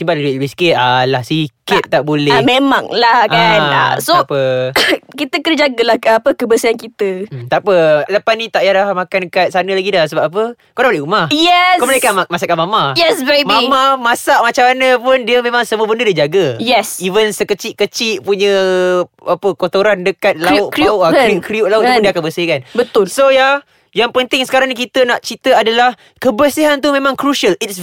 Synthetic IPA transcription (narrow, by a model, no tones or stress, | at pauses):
t̪imbalibisi̥kɪt̪̚alahsikɪt̪̚t̪aʔbolɛmemaŋlahkana̰soapə | kit̪əkənəd͡ʒaɡəlahkapəkəbəsiankit̪ət̪aʔpələpanit̪aʔjalahmakankat̪̚sanəlaɡidahs̬əbap̚ap̬ə | kodabolehumahjɛskoməlaekamasaʔkːamamajɛsbebmamamasaʔmat͡ʃaanəpʊndiəmẽmaŋsəmuəbəndədiəd͡ʒaɡəjɛsivənsəkət͡ʃɪʔkət͡ʃiʔpuɲə | apəkot̪oɾandəkat̪̚laʊaikɾiuʔ̚laʊʔpudiəakabəsihkanbət̪ʊlsoja | jaŋpənt̪ɪŋsə̥kaɾaŋnik̬it̪ənaʔt͡ʃit̪əadalah | kəbəsiɦant̪umẽmãŋkɾuʃəlits